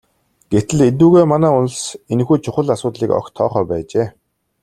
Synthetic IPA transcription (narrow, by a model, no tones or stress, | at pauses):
ɡ̥et̪ɘ̆ɮet̪̬uːɣeːmanæːʊnɮ̆senxuːt͡ɕʰʊχə̆ɮasʊːt̪ɮiːkɔ̰kt̪ʰːɔ̰ːχœːpæːt͡ɕeː